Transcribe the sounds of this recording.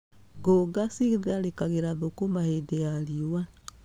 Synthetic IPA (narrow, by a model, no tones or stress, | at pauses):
ɡoɡasiɣðaɾekaɣeɾaðokomahedejaliwa